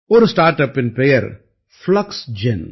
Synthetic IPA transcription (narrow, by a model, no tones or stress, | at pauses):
oɾsʈaːɾʈɐpɪ̃npɾejə̰ɾ | flɐksd͡ʒɪn